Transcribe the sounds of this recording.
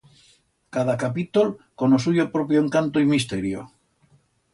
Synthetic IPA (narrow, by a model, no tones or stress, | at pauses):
kaðakapit̪olkonos̬uʝopɾopjoeŋkant̪oimist̪eɾjo̰